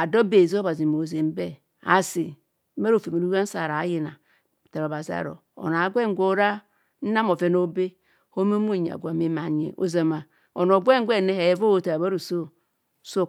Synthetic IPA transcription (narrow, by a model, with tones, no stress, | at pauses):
a˨do˦be˨zo˦ba˨zi˨mo˨ze˨m˦be˦ | a̰˨si˨˦ | me˦ɾo˦˨fe˨me˨ɾu˦a˦n̩˦sa˨ɾa˨˦ji˨na˨ | ta˨ɾo˨ba˨zi˦a̰˨ɾo̰˨ | o̰˨n˨a˨˦ɡʷe˦ŋ˦ɡʷo˦ɾa˦ | n̩˦na˦mo˨ve˦no˦be˦ | ho˦mo˦mo˦˨ɲ˨a̰˨ɡʷa˨me˦ma˨ɲḛ˨ʔo̰˨za˨ma˨ | o˨no˨ɡʷe˦ŋ˦ɡʷe˦˨ne˦he˨˦vo˦o˨ta˨ba˦ɾo˨so˦ | so˦˨